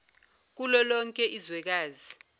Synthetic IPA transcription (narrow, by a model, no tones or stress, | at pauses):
k̬ulɔlɔŋkʼɛʔizwɛk̬aːzi